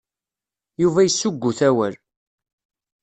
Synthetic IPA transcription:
juvæjəsːʊɡʷːʊθæwæl

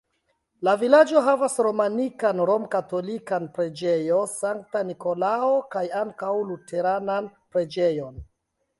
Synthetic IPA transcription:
lavilad͡ʒo̞ɦavasɾo̞manikanɾo̞mkato̞likanpɾe̞d͡ʒe̞jo̞saŋk̚taniko̞lao̞kajaŋkawlutʰe̞ɾananpɾe̞d͡ʒe̞jo̞n

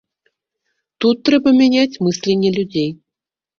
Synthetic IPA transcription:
t̪ut̪ːɾɛbɐmʲɛnʲat͡sʲmɨsʲlʲenʲːɛlʲud͡zʲej

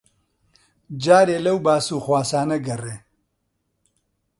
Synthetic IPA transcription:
d͡ʒaːɾeːlɐwbaːsuːxwaːsaːnɐɡɐreː

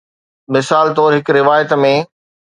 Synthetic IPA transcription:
mɪsaːlt̪ɔːɾɦɪkɾɪʋaːjət̪mẽ

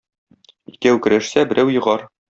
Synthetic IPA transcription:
ikæwkɘ̆ɾæʃsæbɘ̆ɾʔæwjɤ̆ʁɑɾ

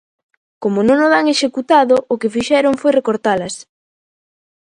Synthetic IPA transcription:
komonõŋoðaŋeʃekut̪aðoʔːkɪfiʃɛɾoŋfojrekoɾt̪alɐs

